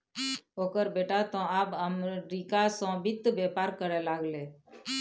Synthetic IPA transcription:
oːkəɾbeːʈat̪ɔ̃aːbəmɾikasɔ̃bɪt̪ːbepaːɾkəɾelaːɡleː

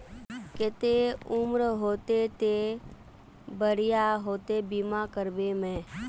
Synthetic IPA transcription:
kɪt̪eʊmɾɦoːt̪et̪e | bəɾijaɦoːt̪ebimakəɾbemɛ̃ː

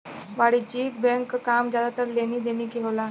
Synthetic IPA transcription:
ʋaɽit͡ɕik̚bɛŋkkamd͡ʑad̪at̪əɾleniːd̪eniːkeɦowla

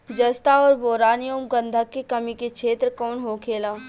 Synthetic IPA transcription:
d͡ʒɐst̪aɔːɾboːɾaːnijoːmɡə̃nd̪ʱəkːekɐmikekʃʰeːt̪ɾkɔːnɦoːkʰeːlãː

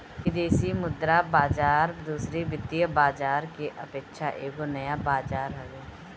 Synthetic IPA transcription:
kɪd̪eːsimʊd̪ɾabaːd͡ʒaːɾd̪uːsɾebɪd̪ijəbaːd͡ʒaːɾkeʔəpeːkʃʰaʔeːɡonəjabaːd͡ʒaːɾɦɛɡeː

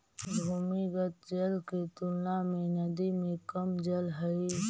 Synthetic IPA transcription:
bʱumiɡət̪̚d͡ʒɐlket̪ʊlnamẽnɐd̪imẽkəmd͡ʒəlɦɐi

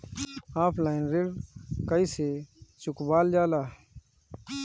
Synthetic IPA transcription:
aːpʰlaːinɾeɽkəiːseːt͡ʃʊkbaːld͡ʒaːlaː

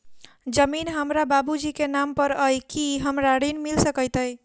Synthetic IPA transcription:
d͡ʒəminɦəmɾababud͡ʒikenampəɾəjkiɦəmɾaɽinmilsəkəjt̪əj

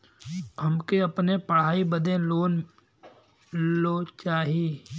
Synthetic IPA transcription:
hɐmkeɐpnepɐɽ̤aːibəd̪ẽloːn | loːt͡ʃaːɦiː

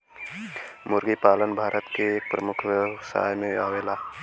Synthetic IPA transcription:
mʊɾɡipaːlənbʱaːɾʔət̪keːk̚pɾəmʊkʰʋəsa̰ːjmẽaːʋeːla

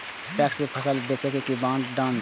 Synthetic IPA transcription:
pɛːksmepʰɐsəlbet͡ʃekekibãːnɖãːn

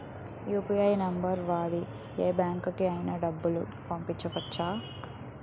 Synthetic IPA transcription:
juːpijɐjnɐmbɐɾʋaːɽi | eːbjaːŋkukiɐjnɐɖɐbːulu | pɐmpiɲt͡ʃːɐʋɐt͡ʃːaː

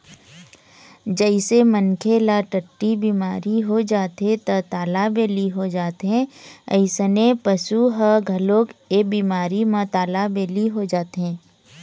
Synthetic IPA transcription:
d͡ʒəɪsemənkʰelaʈəʈːibiːmaːɾiɦod͡ʒaːt̪et̪ɐt̪aːlabeːliɦod͡ʒaːt̪ɦɛ̃ə̰ɪsənepəsuɦəɡʱɐloːkebiːmaːɾimãt̪aːlabeːliɦod͡ʒaːt̪ɦɛ̃ː

